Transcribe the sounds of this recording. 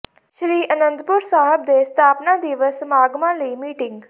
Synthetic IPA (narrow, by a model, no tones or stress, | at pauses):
ʃɾiːʔənə̃nd̪pʊɾsaːɦəb̚d̪eːst̪ʰaːpnãːd̪iːʋəsmaːɡmãːləiːmiːʈɪŋɡ